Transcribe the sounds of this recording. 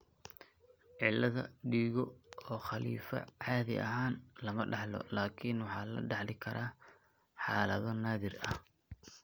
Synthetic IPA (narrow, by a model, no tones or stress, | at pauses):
ʕɪlːɐðɐɖiːɣɔɔːχɐlḭːfɐ̰ʕɑːðɪ̰ʔɐ̰ɦaːnlɐmɐɖɑħlɔ̰laːkʰinwɑħɑːlɐ̰ɖɑħlɪkʰɐɾaː | ħɑːlɐðɔnaːðɪrɐh